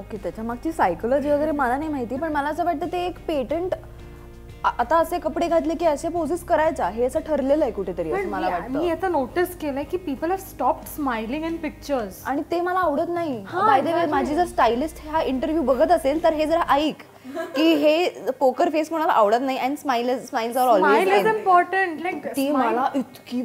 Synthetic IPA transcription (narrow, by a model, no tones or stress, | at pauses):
oket̪jat͡ɕamaɡ̚t͡ɕiːsajkuləɾd͡ʑiʋəɡəjɾeməlanaɦimaɦit̪iːpəɳməlaəsəʋaʈ̚t̪əːt̪eːkpeʈəɳʈ | at̪aəsekəpɽeɡʱat̪̬lekiːəɕaposiskəɾajt͡saɦeəsəʈʰəɾleləɦekuʈʰet̪əɾiːəməlaʋaʈ̚tməiːjet̪anoʈiskelaekiːpiːpəlɦæʋsʈɔp̚ʈsmajlĩŋɡɛ̃ɳɖpik̚t͡ɕəɾzaɽ̃it̪eməlaːʋɽət̪naɦihaajd̪eʋemad͡ʑʱiːd͡zəɾsʈajlisʈheɦaiɳʈəɾʋjuːbəɡʱət̪əselt̪əɾɦed͡zəɾaʔaiːk | kiːɦepokəɾfesm̤əɽ̃ala̰ʔaʋɽət̪naɦiʔansmailsmailsaɾɔlmejizimpɔɾʈəɳʈlkt̪iːmməlaʔit̪ki